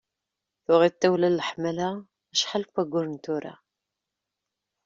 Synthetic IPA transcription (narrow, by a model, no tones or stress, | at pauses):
θʊʁit̪ːæwlælːəħmæla | æʃħalkʷːæɡʷʊɾnt̪ʊɾa̰